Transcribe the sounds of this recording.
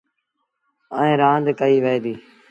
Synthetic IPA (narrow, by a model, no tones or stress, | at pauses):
əẽːɾãːnd̪kəiːʋəeːd̪iː